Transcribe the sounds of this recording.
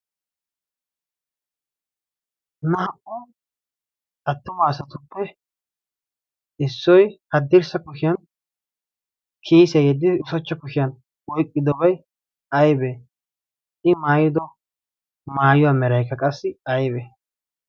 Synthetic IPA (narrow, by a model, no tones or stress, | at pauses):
nɐhɐʔɔ | ɐt̪ːʊmɐːsɐt̪ʊpːɛ | ɪsːɔjhɐd̪ːɪɾsɐkʊʃɪjɐn | kʰiːsɪɐjɛd̪ːɪd̪ɪʊsɔt͡ʃːɐkʊʃɪjɐn | wɔjkʼːɪd̪ɔbɐj | ɐjbe | ʔɪmaːjɪd̪ɔ | maːjʊwaːmɛɾɐjkːɐkʼɐsːɪɐjbeː